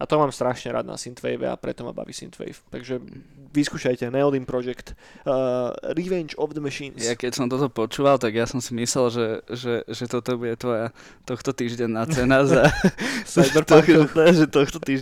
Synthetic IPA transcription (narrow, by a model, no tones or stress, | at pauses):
at̪ɔmaːmst̪ɾaʃɲɛɾa̰d̪na̰sint̪ʋɛ̰jʋɛ̰a̰pɾɛ̰t̪ɔma̰ba̰ʋḭsḭnt̪ʋɛ̰jft̪aɡʒɛʋiskuːʃajcɛnɛɔlimpɾɔʒɛkt̪ː | ɾiʋɛnt͡ʃɔvd̪əmɛʃiːnjjakɛcsɔmt̪ɔt̪ɔpɔt͡ʃuːʋalt̪aɡjasɔmsimislɛlʒɛʒɛʒɛt̪ɔt̪ɔbuɟɛt̪ʋɔja | t̪ɔxt̪ɔt̪iːʒɟɛnːat͡sɛnaza | bt̪ɔɛʒɛt̪ɔxt̪ɔt̪iː